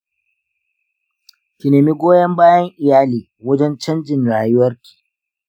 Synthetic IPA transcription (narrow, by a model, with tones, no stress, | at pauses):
kʲi˨neː˨mi˦ɡʷoː˦jɐ˦mbaː˦jɐ˦ŋʔɪ˨jaː˦liː˨ | wɐ˦d͡ʒɛ˦nt͡ʃɐ˦nd͡ʒɪ˨nɽaː˨jʊ˦wɐ˦rkʲi̥ː˨